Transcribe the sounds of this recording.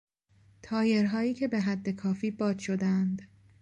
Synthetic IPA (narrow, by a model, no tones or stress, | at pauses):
t̪ʰɒːje̞ɾɦɒːiːcʰe̞be̞ɦæd̪ːe̞kʰɒːfiːbɒːd̪̥ʃo̞d̪ænd̪